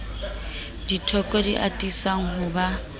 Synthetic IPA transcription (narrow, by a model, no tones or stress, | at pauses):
ditʰɔkʼɔdḭʔa̰tʼisaŋ̩ɦʊba